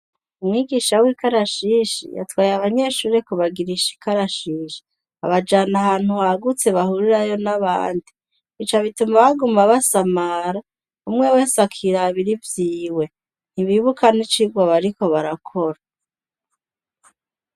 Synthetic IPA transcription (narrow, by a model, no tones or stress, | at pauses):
umŋiːɡiːʃawiːkaɾaʃiʃḭja̰twaːjeaβaɲe̞ʃuːɾekuβaɡiɾiʃi̥kaɾaʃiːʃi̥ | a̰βad͡ʒanahaːn̥huhaɡut͡se̞βahuɾiɾajo̞naβa̰ːndi | it͡ʃaβitumaβaɡumaβasamaɾa | umŋe̞we̞ːsakʰiɾaβiɾivjiːwe̞ | niβiβukanit͡ʃiɡwaβaɾiko̞βaɾakʰo̞ɾa